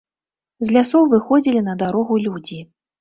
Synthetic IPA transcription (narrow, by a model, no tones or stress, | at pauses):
zʲlʲasɔwvɨxɔd͡zʲilʲinɐd̪aɾɔɣulʲud͡zʲi